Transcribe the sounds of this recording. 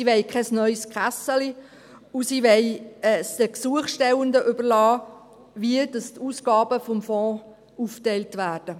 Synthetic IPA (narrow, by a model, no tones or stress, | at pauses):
iʋɛɪkʰɛsnœʏskχæsəli | usiʋɛɪɛːsd̥əksuəχʃtɛwəndəʔʏbəɾlɑː | ʋiədɑstuːsɡ̥ɑːb̥əfɔmfɔ̃ː | uːftɛɪltʋæːrd̥ə